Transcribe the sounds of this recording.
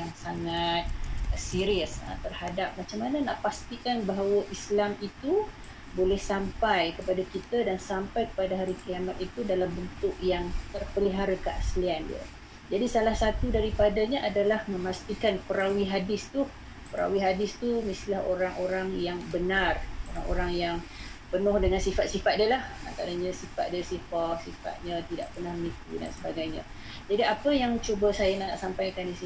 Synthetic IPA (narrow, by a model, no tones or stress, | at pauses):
jaŋsaŋat̪̚siɾiəst̪ərhadap̚mat͡ʃamːanənaʔpast̪ikanbaɦawəʔislamit̪u | bolɛhsampajkəpadakit̪adansampajkə̥padaɦaɾikəliamat̪̚it̪udalambənt̪ʊʔjaŋt̪ərpəliɦaɾəkəʔasliandḭə̰ | d͡ʒadisalahsat̪udaɾipadaɲaʔadalahmə̃mast̪ikanpəɾawiɦadɪst̪u | pəɾa̰wiɦadɪst̪umist̪ilahoɾaŋoɾaŋjaŋbənaroɾaŋo̰ɾaŋjaŋpənʊhdəŋansifat̪̚sifat̪̚dəlaha̰nt̪aɾaɲə̃sifa̰t̪̚diasifak̚sifa̰t̪̚ɲə̃t̪ida̰ʔpərnahməŋikṵda̰nsəbaɡajɲə̰̃ | d͡ʒadiapəjaŋt͡ʃobasajanaʔsampajakandisi